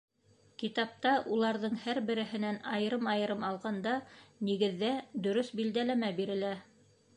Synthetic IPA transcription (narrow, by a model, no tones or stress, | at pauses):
kit̪ɑp̚t̪ɑʔulˠɑɾðɤɴhæɾbɘ̆ɾɘ̆ɦɘ̆nænɑjɤ̆ɾɤmɑjɤ̆ɾɤmɑlˠʁɑnd̪ɑniɡɘ̆ðːæd̪ɵ̆ɾɵsbild̪ælæmæbiɾɘ̆læ